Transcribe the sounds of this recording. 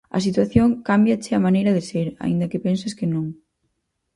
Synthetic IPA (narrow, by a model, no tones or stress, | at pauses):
ɐ̰s̬it̪waθjoŋkambjat͡ʃɪɐmanejɾɐðɪseɾa̰ḭ̃nd̪ɐkepensɐskɪnõŋ